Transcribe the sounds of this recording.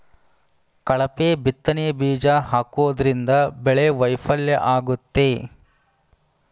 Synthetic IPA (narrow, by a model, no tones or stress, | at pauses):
kɐɭɐpeːbit̪ːɐneɐbiːd͡ʒaːɦaːkuʋɐd̪ɐɾind̪ɐbɛɭeʋɐjfɐljɐʔaːɡut̪ːe